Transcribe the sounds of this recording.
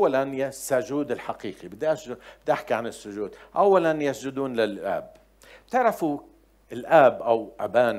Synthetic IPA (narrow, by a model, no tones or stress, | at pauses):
ʔwːalanjasːʊʒuːd̪ɪlħaqiːqibɪd̪iʔasbɪd̪iʔaħkiʕanɪsːʊʒuːd̪ʔawːalanjasd͡ʒʊd̪uːnlɪlʔa̰ːb | t̪ɪʕɾˤafu | ʔɪlʔaːbʔawʔabaːn